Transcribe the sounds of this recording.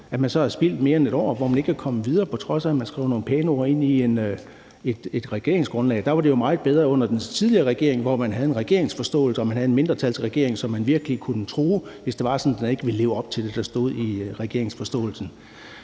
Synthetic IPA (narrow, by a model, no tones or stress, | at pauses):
æmænsɒ̽hæsb̥il̰d̥me̝ːɐene̝d̥ɾɒ̰ːʋɒmæne̝ɡ̥kʰækʰɒ̽məʋið̞ˠɐːpʰɒ̽t͡sʰʁɒ̽sæmænsɡ̥ʁɛ̰ʊno̝ːn̩pʰeːno̝ɐe̝n̰ien | ed̥e̝d̥ʁɛɡ̥e̝ɐeŋsɡ̥ʁɔ̽nlɛ̰ɪd̥ɑ̈ʋɑ̈ɾe̝jomɑ̈ːð̩ˠb̥eð̞ˠʁɐɔ̽n̰ɐd̥ent͡sʰið̞ˠliɐːʁɛɡ̥e̝ɐ̰e̝ŋʋɒmænɦæð̞̩ˠe̝nʁɛɡ̥e̝ɐe̝ŋsfɒ̽sd̥ɔ̰ːl̩səɒ̽mænɦæð̞̩ˠenme̝nd̥ʁɐt͡sʰælsʰʁɛɡ̥e̝̰ɐ̰eŋsɒ̽mːænʋiɐɡ̥əlikʰunət͡sʰʁoːʋesd̥e̝ʋɑ̈sɒ̽n̩d̥ene̝ɡ̥ʋe̝lle̝ːʊɒ̽b̥t͡sʰe̝ld̥e̝d̥ɑ̈sd̥o̝ð̞̰ˠiʁɛɡ̥e̝ɐe̝ŋsfɒ̽sd̥ɔ̰ːl̩sn̩